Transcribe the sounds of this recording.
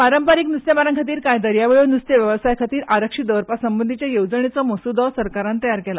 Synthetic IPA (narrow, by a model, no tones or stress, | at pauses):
paɾəmpaɾiknust̪jemaɾəŋkʰat̪̬iːɾkajd̪əɾjaʋeɭunust̪eʋjəʋəsajkʰat̪iːɾʔaɾəkʂid̪əʋɾpasəmbənd̪ʱit͡ɕjajoʋd͡zəɳet͡sɔməsud̪ɔsəɾkaɾãnt̪əjaɾkɛla̰